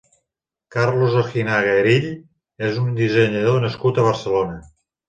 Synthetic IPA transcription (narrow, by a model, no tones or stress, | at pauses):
kaɾlozoxinaɣeeɾiʎ | ezund̪izeɲəðonəskut̪əβ̞əɾsəlonə